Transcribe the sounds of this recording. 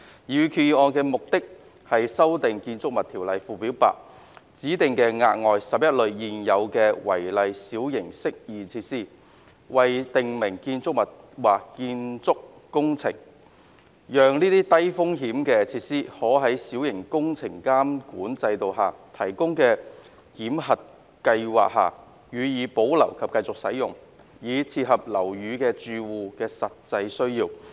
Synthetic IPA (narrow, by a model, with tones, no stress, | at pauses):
jyː˨˧kʰyː˧ɔː˨˧kɛː˧mʊ˨k̚t̪ɪ˥k̚ | hɐ˨jsɐ˥wt̪ɪ˨ŋkiː˧nt͡sʊ˥k̚mɐ˨˩t̪ʰiː˨˩wlɐ˨jfuː˨piː˨˥wpa̰ː˨k̚ | t͡siː˨˥t̪ɪ˨ŋkɛː˧ŋa̰ː˧t̚ŋɔː˨jsɐ˨p̚jɐ˥t̚lɵ˨ɥjiː˨˩njɐ˨˧wkɛː˧wɐ̰˨˩jlɐ˨jsiː˨˥wjɪ˨˩ŋsɪ˥k̚jiː˨˩t͡sʰiː˧t̚siː˥ | wɐ˨jt̪ɪ˨ŋmɪ˨˩ŋkiː˧nt͡sʊ˥k̚mɐ˨t̚waː˨kkiː˧nt͡sʊ˥k̚ːʊ˥ŋt͡sʰɪ̰˨˩ŋ | jœː˨ŋniː˥t̪iː˥t̪ɐ˥jfʊ˥ŋɦiː˨˥mkɛː˧t͡sʰiː˧t̚siː˥hɔː˨˥ɦɐ˨˥jsi˨˥wjɪ˨˩ŋkʊ˥ŋt͡sʰɪ˨˩ŋkaː˥mkṵː˨˥nt͡sɐ˧jt̪o˨wɦaː˨t̪ʰɐ˨˩jkʊ˥ŋkɛː˧ | kiː˨˥mɦɐ˨t̚ | kɐ˧jwa̰ː˨k̚ha̰ː˨˩ | ɥyː˨˧jiː˨˧po˨˥wlɐ̰˨˩wkʰɐ˨p̚kɐ˧jt͡sʊ˨k̚sɐ˨˥jjʊ˨ŋ | jiː˨˧t͡sʰiː˧t̚hɐ˨p̚lɐ˨˩wjyː˨˧kɛː˧t͡ʃyː˧wuː˨kɛː˧sɐ˨t̚t͡sɐ˧jsɵ˥ɥjiː˧w